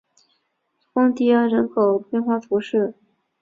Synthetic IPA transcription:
fɑ˥ŋt̪i˥˩ə˥˩ɻə˧˥nkʰo˨˩ʊpjɛ˥˧nxwa˥˩t̪ʰu˧˥ʂɻ̩˥˩

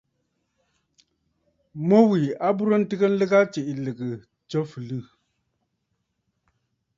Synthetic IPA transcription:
mo˦wi˨a˦bu˦ɾə˦n̩˦tɨ˦ɡə˦n̩˦lə˦ɣa˦t͡ʃe˨ʔlɨ˨ɡə˨ | t͡ʃə˦fɨ˨lɨ˦˨

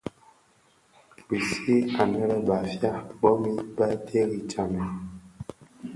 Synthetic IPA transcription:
bi˨si˦a˨nɛ˦ɾɛ˦ba˨fja˦bɔ˦mi˦ba˦tʰe˦ɣi˨t͡ʃa˨mɛ˨

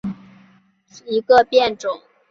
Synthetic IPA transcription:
i˧˥ɡə˧pjɛ˥˨nʈ͡ʂʊ˨˩˦ŋ

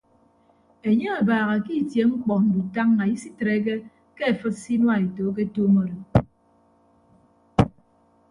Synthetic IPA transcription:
e˨ɲe˦a˨baː˨ɣa˨ki˦˨tje˨ŋ͡m̩˦k͡pɔ˨n̩˨du˨ta˦ŋːa˨i˦si˦tɾe˨˦k̬e˦ | ke˦e˨fɨ˦t̚si˦nwa˦˨e˨to˨˦k̬e˦toː˦mo˦ɾo˨

